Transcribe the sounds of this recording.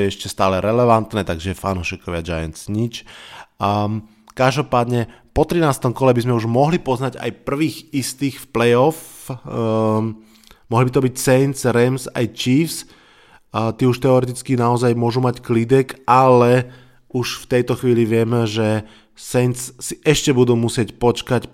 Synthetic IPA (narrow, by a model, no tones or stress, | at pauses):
jɛɛʃcɛst̪aːlɛɾɛlɛʋant̪nɛːt̪aɡʒɛjɛfanuʃiːkɔʋɪad͡ʒajant͡sɲit͡ʃ | kaʒd̪ɔpaːd̪ɲɛ | pɔt̪ɾinaːst̪ɔmkɔlɛbizmɛuʒmɔɦlipɔznaɟa̰jpr̩ʋiːɣist̪iːxfplɛjɔf | mɔɦlibit̪ɔbicsɛjnsɾɛmsa̰jt͡ʃiːfs | t̪iːuʃt̪ɛɔɾɛt̪̬it͡skinaɔzajmʊɔʒumacklid̪ɛkʔalɛ | uʃft̪ɛjt̪ɔxʋiːliʋɪɛmʒɛ | sɛnt͡sːiʔɛʃcɛbud̪uːmusɪɛcpɔt͡ʃkac